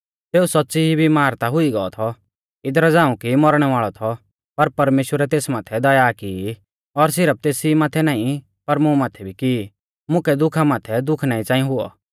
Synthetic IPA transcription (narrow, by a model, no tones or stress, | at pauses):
t̪eːusɔtːsiɦibʱimaːɾt̪aɦʊiɡɔɔt̪ʰɔ | ɪd̪ɾad͡zãːũkimɔɾɽ̃ɛʋaːɭɔt̪ʰɔ | pɐɾpɐɾmeːʃwəɾɛt̪eːsmaːt̪ʰɛd̪ɐjaːki | ɔɾs̬ɪɾəp̚t̪eːsimaːt̪ʰɛnaːĩ | pɐɾmũmaːt̪ʰɛbʱiki | mʊ̃kɛd̪ʊkʰamaːt̪ʰɛd̪ʊkʰnaːĩt͡sãːĩɦʊɔ̰